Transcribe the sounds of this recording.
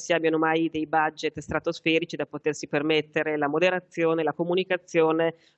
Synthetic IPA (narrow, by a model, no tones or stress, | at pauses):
siabjanomajd̪ejbad͡ʒːet̪st̪ɾat̪osfɛːɾit͡ʃid̪apot̪ersipermet̪ːeɾelamod̪eɾat̪sːjoːnelakomunikat̪sːjoːne